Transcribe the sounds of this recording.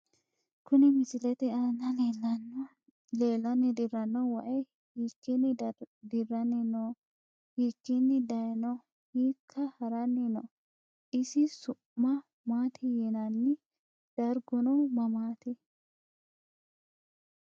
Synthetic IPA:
kʊnɪmɪsɪlɛt̪ɛɐnːɐln | leːlːɐnːɪd̪ɪɾɐnːɔwɐʔɛ | hiːkːɪnːɪd̪ɪrɐnɪnɔ | hiːkːɪnːɪd̪ɐjnɔ | hiːkʰːɐhɐɾɐnːɪnɔ̰ | ʔɪsɪsʊʔːɐ | maːt̪ʰɪjɛnɐnːɪ | d̪̥ɐɾɡʊnɔmɐmaːt̪ɪ

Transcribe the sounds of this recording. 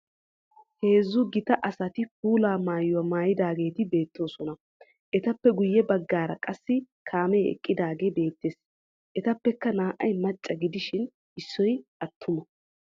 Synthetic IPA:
heːzːʊɡɪt̪ɐʔɐsɐt̪ɪpuːlaːmaːjʊwɐmaːjɪd̪aːɡe̞ːt̪ɪbe̞ːt̪ʰːo̞ːsɔnɐ | ʔɛt̪ɐpːɛɡʊjːɛbɐɡːaːɾɐkʼɐsːɪ | kʰaːmeɛ̰kʼːɪd̪aːɡe̞ːbe̞ːt̪ːeːs | ʔɛt̪ɐpːɛkːɐnaːʔɐjmɐt͡ʃʼːɐɡɪd̪ɪʃɪn | ʔɪsːɔjʔɐt̪ʰːʊmɔ

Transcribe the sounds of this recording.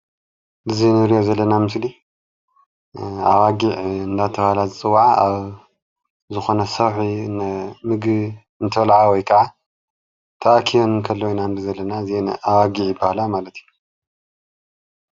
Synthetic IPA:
bɨzinɨɾijo̞zɐlːɐnamɨsli | a̰waɡiʕɨnd̪at̪ʰɐβalazɨt͡sʼɨwːʕaʔaβ | zɨxo̞nɐsɐwħinmɨɡβ | ɨnt̪ʰɐlʕawɔjkʰɐʕa | t̪ʰɐʔakʰijonɨnkʰɐlːojnanbɨzɐlːɐnaznawaɡiʕjɪbːahlamalɐt̪ʰju

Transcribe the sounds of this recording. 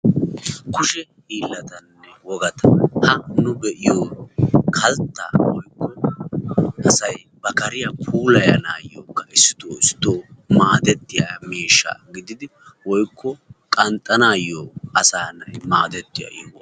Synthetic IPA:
kʊʃɛhiːlːɐt̪ɐnːɛwɔɡɐt̪ɐhɐnʊbɛʔɪjoːkʰɐlt̪ːa̰wɔjkːɔ | ɐsɐj | bɐkɐɾɪjapʰuːlɐjɐ̰naːjːoːkːɐɪsːɪ̥t̪oːɪst̪oːmaːd̪ɛt̪ːɪja̰miːʃːa̰ːɡɪd̪ɪd̪ɪwɔjkʰːɔkʼɐnt̪ʼːɐnaːjoːɐsaːnɐmaːd̪ɛt̪ːɪja̰jo

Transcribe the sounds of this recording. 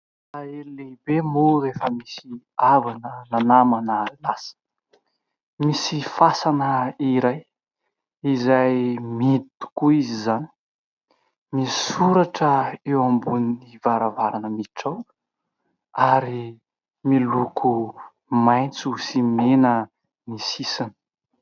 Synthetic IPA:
aelilebemorefəmisi | avanənanamanaɾilasə̥ | misifasanəiɾaj | izajmit̪u̥kuizizani̥ | misuɾaʈ͡ʂəewambuniivaɾavaɾanəmiʈ͡ʂaw | aɾi | milukʰu | maj̃nt͡susimenə | misisanə̥

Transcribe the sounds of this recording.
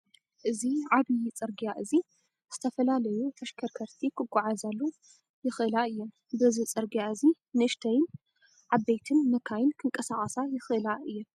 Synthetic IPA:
ʔɨziʕadijit͡sʼɨɾɡijaʔɨzi | z̥ɨt̪ʰɐfɐlalɐjut̪ʰɐʃkʰɐɾkʰɐɾt̪ʰikʰɨɡʷʼːaʕazalːu | jɪxʔɨlaɨjːom | bɨzit͡sʼɨɾɡijaɨzi | nɨɨʃt̪ʰɐjɪn | ʕabːejt̪ʰɨnːɐkʰajɪnkʰɨŋkʼɐsaχʼɐsajɪxʔɨlaʔɨjːom

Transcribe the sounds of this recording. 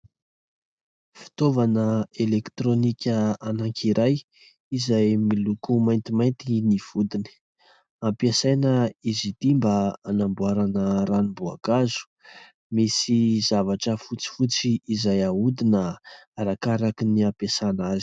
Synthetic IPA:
fi̥t̪ovanəelekt̪ɾonikʲəanaŋkʰiɾʔaj | izajmilukumajnt̪imajnt̪iniv̥ud̪ini̥ | ampiasajnəizid̪̥imbaanambuaɾanəɾanibua̰kazu̥ | misizavaʈ͡ʂəfut͡si̥fut͡siːzajaud̪inəːɾakaɾakiniapasanazi̥

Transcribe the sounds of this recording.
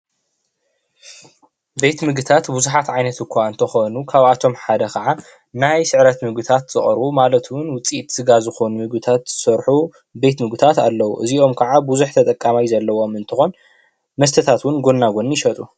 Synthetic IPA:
be̞t̪mɨɡɨt̪ʰat̪buzuħat̪ʕajnɐt̪ɨkʷʰːaɨnt̪ʰɐxonukʰaβat̪ʰo̞mħad̪ɐkʰɐʕa | najsɨʕɾɐt̪mɨɡɨt̪ʰat̪z̥ɨχʼɾbumalɐt̪wʊnwʊt͡sʼiʔt̪sɨɡazɨxo̞numɨɡɨt̪ʰat̪z̥ɨsɐɾħu | be̞t̪mɨɡɨt̪ʰat̪a̰lːɐwuʔɨziʔo̞mkʰɐʕabuzuħt̪ʰɐt̪ʼɐkʼːamajzɐlːɐwomɨnt̪ʰɨxon | mɐst̪ʰɐt̪ʰat̪wʊnɡo̞nːaɡo̞njɪʃɐt̪ʼu

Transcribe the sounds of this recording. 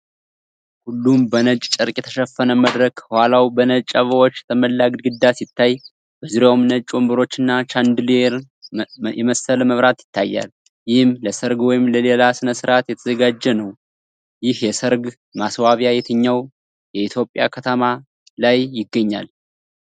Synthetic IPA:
hulːumbənət͡ʃʼt͡ʃʼɨɾkʼjɛt̪ʰəʃəfːənəməd̪ɾəkʰhʷwalawbənət͡ʃʼəβəwot͡ʃːt̪ʰəməlːaɡd̪ɡɨd̪ːasɪt̪ʰːaj | bəzuɾjawmɨnət͡ʃʼombɨɾo̞t͡ʃːɨnːat͡ʃʰand̪ɨleɾ | jɛməsəlməβɾat̪jɪt̪ʰːajːa̰l | jɪhɨmləsɨɾɡwɔjɪmləle̞lasɨnəsɨɾat̪jɛt̪ʰəzəɡad͡ʒːɛnəw | jɪhjɛsɨɾɡ | maswaβjajɛt̪ʰəɲːaw | jɛit̪ʰjo̞pʼːja̰kʰət̪ʰəma | lajːɪɡːəɲːa̰l

